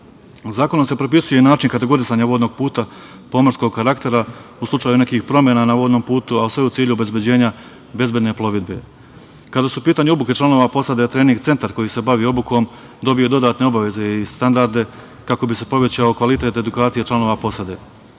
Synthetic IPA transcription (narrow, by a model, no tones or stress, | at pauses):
zaːko̞nomse̞pɾo̞p̬isujenaːt͡ʃiŋkat̪e̞ɡo̞ɾisaːɲaʋo̞ːd̪no̞ɡ̚puːt̪a | po̞moɾsko̞ɡ̚kaɾakt̪e̞ɾauslˠut͡ʃaːjune̞kiːxpɾo̞mje̞naːnaʋo̞ːd̪no̞ːmpuːt̪uausʋe̞ut̪siːʎuobe̞zbje̞d͡ʑe̞ːɲa | be̞zbje̞d̪ne̞plˠo̞ʋid̪̚be̞̰ | kad̪asupiːt̪aɲeobuke̞t͡ʃlano̞ʋapo̞sad̪et̪ɾe̞ːniŋɡt̪e̞nt̪aɾko̞jise̞baʋiːo̞buko̞m | d̪o̞bijo̞d̪o̞d̪aːt̪ne̞o̞baʋe̞ze̞ist̪and̪aɾd̪e̞ | kako̞bise̞po̞ʋe̞t͡ɕaokʋalit̪e̞t̪e̞d̪ukaːt̪sije̞t͡ʃlano̞ːʋapo̞sad̪e̞